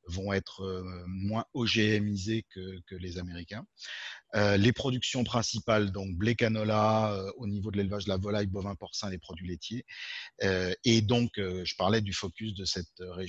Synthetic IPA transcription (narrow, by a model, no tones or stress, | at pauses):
vɔ̃ɛt̪χəmwɛ̃ɔʒeɛmizekəkəlezameʁikʲɛ̃ | ølepχɔd̪yksjɔ̃pχɛ̃sipald̪ɔ̃k̚blekanɔlaøonivod̪əlelvaʒd̪əlavɔlajbɔvɛ̃pɔʁsɛ̃lepχɔd̪ɥilet̪ʰjeøed̪ɔ̃køʒəpaʁlɛd̪yfɔkʲys̬d̪əsɛt̪øʁe